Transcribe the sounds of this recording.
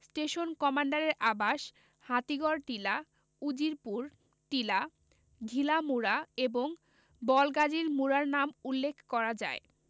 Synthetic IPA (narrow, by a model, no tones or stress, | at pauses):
sʈeʃonkɔmaɳɖaɾeɾʔabaʃ | hat̪iɡɔɾʈ̪ila | ud͡ʑiɾpuɾ | ʈ̪ila | ɡʱilamuɾaeboŋ | bɔlɡad͡ʑiɾmuɾaɾnamulːekʰkɔɾad͡ʑa̰e